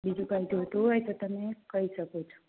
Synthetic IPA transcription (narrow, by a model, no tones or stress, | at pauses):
bid͡ʒukaid̪uɦət̪uɦojt̪ot̪əmekəɦiʃəkot͡ʃʰo̥